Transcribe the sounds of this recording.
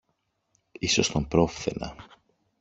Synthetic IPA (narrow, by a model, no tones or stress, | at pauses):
iso̞st̪ompɾo̞fθḛnɐ̰